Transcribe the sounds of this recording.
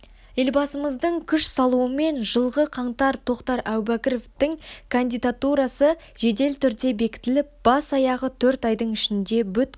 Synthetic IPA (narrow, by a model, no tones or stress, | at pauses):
je̞lbɑsəməzd̪əɴkʲʰʏʃsɑlˠuwəme̞nʒəlˠʁəqʰɑɴt̪ɑɾt̪ʰo̞qt̪ɑɾʔæwbækʲɪɾo̞ft̪ɪŋkʰand̪ijd̪at̪uɾɑsə | ʒ̥e̞d̪e̞lt̪ʰʏɾd̪e̞be̞kʲɪ̥t̪ɪlɪp̚b̥ɑsɑjɑʁət̪ʰɵɾt̪ɑjd̪əɴɪʃɪnd̪e̞bʏt̪̚